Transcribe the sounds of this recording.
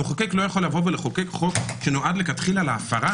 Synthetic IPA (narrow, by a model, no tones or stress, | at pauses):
oχokeklojaχo̞lavo̞veleχokekχo̞kʃenoʔad̪lekat̪χilalaːfaʁa